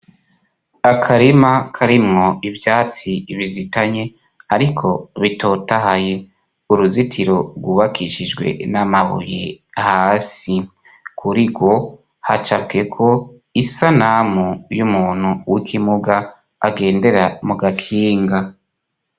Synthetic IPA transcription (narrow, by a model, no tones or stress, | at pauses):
akʰaɾimakʰaɾimŋo̞ivjaːt͡siβizitaɲe̞ | aɾikʰo̞βito̞taɦaje | uɾuzitʰiɾo̞ɡuβakʰiʃid͡ʒɡwe̞̰namaβṵjehaːsi | kʰuɾiɡo̞ | ha̰t͡ʃabɡe̞kʰo̞ | isanamujumuːn̥huwikʰimuɡaː | ɡe̞ːnde̞ɾamuɡakʰiːŋɡa